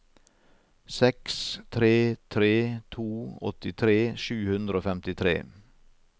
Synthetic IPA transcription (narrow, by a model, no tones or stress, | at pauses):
sɛkst̪ʰɾeːt̪ʰɾeːt̪ʰuːɔ̰t̪ɪt̪ʰɾeːʃʉːhʉnd̪ɾəoːfɛmt̪ɪt̪ʰɾḛː